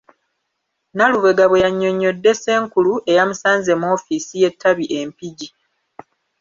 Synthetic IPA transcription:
naluβe̞ɡaβejaɲːo̞ɲːo̞dːe̞se̞ːŋkuluʔe̞jamusaːnze̞mo̞ːfisije̞tʰːaβiʔe̞mpiɟi

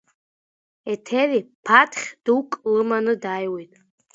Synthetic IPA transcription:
ɛtʰɛɾipʰatʰχʲd̥uwkʼlɨmanɨdajwetʼ

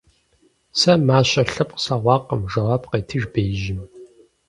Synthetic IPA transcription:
sɐmaːɕɐɬɐp̚ʼqsaːʁʷɑːqəmʒɐʁaːpqeːtʰɨʒbeːʒɪm

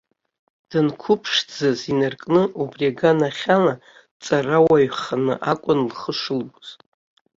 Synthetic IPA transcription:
d̥ɨnkʷʰʊpʰʂd͡zazinarkʼnɨʔubrʲaɡanaχʲala | t͡sʼarawaɥχanɨ̰ʔakʷʼʊnlχəʂɨlbz̥

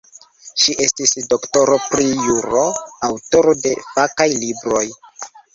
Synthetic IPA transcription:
ʃiʔe̞stisdo̞kto̞ɾopɾijuɾo̞awto̞ɾode̞fakajlibɾo̞j

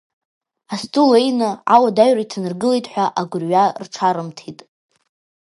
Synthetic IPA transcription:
astʰʼulejnɨawadaɥraitʰanɨrɡɨlejtʼħʷᶣaʔaɡʷʊrɥarʈ͡ʂʰaɾɨmtʰitʼ

